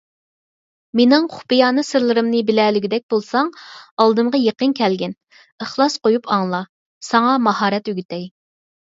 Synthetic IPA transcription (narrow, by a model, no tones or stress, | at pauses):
menɪŋχʊ̥pijɑːnɨsɨɾlˠɨɾɨmnɨbɪlɛːlyɡʲid̪ɛk̚ʲbolˠsɑŋɑlˠd̪ɨmʁɑjeqənkʲʰɛlɡʲɛn | əχlˠɑsqojupʰɑŋlˠɑ | sɑŋɑmɑhɑːɾɛt̪yɡʲyt̪ɛj